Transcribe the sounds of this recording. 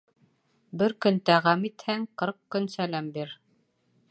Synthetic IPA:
bɘɾkɵ̆nt̪æʁæmit̪hæŋqɤɾq̚kɵnsælæmbiɾ

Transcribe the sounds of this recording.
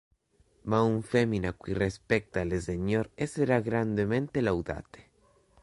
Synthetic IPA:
mauɱfeminakwirespɛk̚t̪alezeɲoɾeseɾaɣɾand̪ement̪elawd̪a̰t̪e̥

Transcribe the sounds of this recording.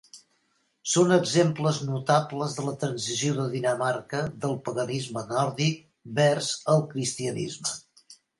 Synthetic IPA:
sonəɡzempləznut̪apləzðələt̪ɾənzizioðəðinəmaɾkəðəlˠpəɣənizmənɔɾðik̚ | bɛrzəlˠkɾist̪iənḭzmə

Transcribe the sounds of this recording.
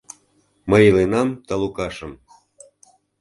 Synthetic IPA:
məjlenɑmt̪ɑlukɑʃəm

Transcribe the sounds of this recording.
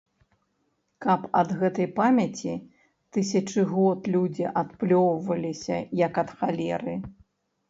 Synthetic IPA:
kɐpɐd̪ɣɛt̪ɐjpamʲɐt͡sʲi | t̪ɨs̬ʲɐt͡ʂɨɣɔt̪lʲud͡zʲiʔat̪plʲɔwvɐlʲisʲɐ̰jɐkɐt̪xalʲɛɾɨ

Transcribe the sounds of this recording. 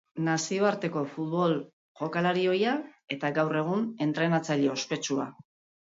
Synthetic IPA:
nasio̞aɾt̪e̞ko̞fut̪βo̞l | ʝo̞kalaɾio̞jae̞t̪aɡawre̞ɣ̞une̞nt̪ɾe̞nat͡saʎe̞o̞spe̞t͡ʃua̰

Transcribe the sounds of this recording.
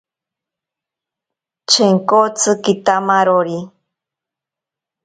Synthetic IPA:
t͡ʃʰeŋkot͡sʰɨkit̪amaɾoɾi

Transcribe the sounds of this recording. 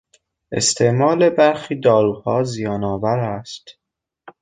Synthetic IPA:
e̞̰st̪ʰe̞ʔmɒːle̞bæɾxiːd̪ɒːɾuːhɒːzijɒːnɒːvæɾæst̪

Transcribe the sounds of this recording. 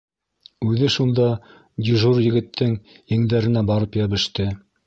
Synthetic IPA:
ʉðɘʃund̪ɑ | d̪ʲiʒurjɘ̆ɡɘ̆t̪ʰːɘŋiŋd̪æɾɘ̆næbɑɾɤpjæβɘ̆ʃt̪ɘ

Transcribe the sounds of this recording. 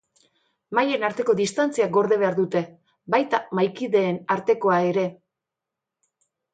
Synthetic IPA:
maje̞naɾt̪e̞ko̞ðist̪ant͡siaɡo̞ɾðe̞βe̞aɾðut̪e̞ | bajt̪amajkiðe̞ːnaɾt̪e̞ko̞ae̞ɾe̞

